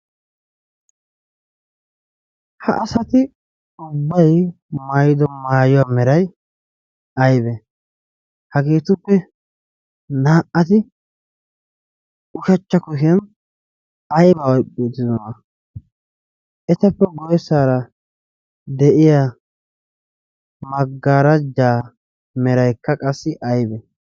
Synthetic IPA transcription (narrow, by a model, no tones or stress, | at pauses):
hɐ̰ʔɐsɐt̪ɪ | ʊbːɐj | mɐjɪd̪ɔmaːjʊwaːmɛɾɐj | ɐjbɛ | hɐɡeːt̪ʊpːɛ | naːʔɐt̪ɪ | ʊʃɐt͡ʃːɐkʊhɪjɐn | ɐjbawɔjkʼːit̪ːɪd̪ɔna | ʔɛt̪ɐpːɛɡɔjɛsaːɾɐ | d̪ɛʔɪja | mɐɡːaɾɐd͡ʒːaː | mɛɾɐjkːɐkʼɐsːɪʔɐjbɛ